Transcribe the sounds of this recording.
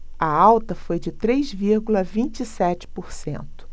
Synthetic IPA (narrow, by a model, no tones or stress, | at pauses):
ɐawt̪ɐfojd͡ʒɪt̪ɾejzviɾɡulɐvĩt͡ʃisɛt͡ʃɪ̥poɾsḛ̃nt̪ʊ̥